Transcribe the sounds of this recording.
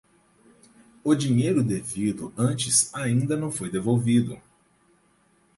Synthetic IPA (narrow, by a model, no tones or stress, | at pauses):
ʊd͡ʒiɲejɾʊd̪evid̪ʊɐ̃nt͡ʃɪsaĩnd̪ɐnɐ̃w̃fojd̪evowvid̪ʊ̰